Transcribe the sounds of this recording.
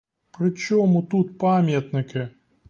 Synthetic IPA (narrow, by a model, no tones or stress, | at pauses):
pɾɪt͡ʃɔmut̪ut̪pamʲjɐt̪nɪkɪ